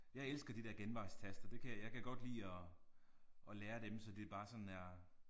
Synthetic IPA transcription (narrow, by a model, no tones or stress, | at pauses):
jɑ̈ɪelsɡ̥ɐd̥id̥ɛɐɡ̥enʋɑ̈ɪst͡sʰæsd̥ɐd̥e̝kʰæjɑ̈ɪkʰæɡ̥ɒ̽d̥lḭːɒ̽ | ʔɒ̽leːɐd̥emsɒ̽d̥e̝b̥ɑ̈ːsɒ̽nn̩æɐ